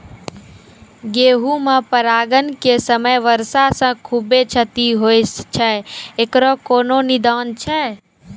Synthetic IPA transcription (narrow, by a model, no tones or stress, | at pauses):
ɡeːɦumãpəɾaːɡənkesəməjʋəɾsasə̃kʰubet͡ʃʰət̪iɦojst͡ʃʰɛekɾɔkoːnonid̪aːnt͡ʃʰɛ